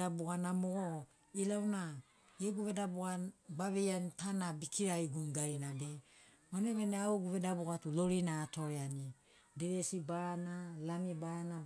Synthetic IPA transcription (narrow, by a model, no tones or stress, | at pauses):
abuɡanamoɡo | ilawna | eɡuβe̞dabuɡabaβejanitanabikiɾaiɡunɡajnade | maneβeneaoɡuβedabuɡatulo̞ɾinaːto̞ɾeani | deɾesibaɾanalamibaɾana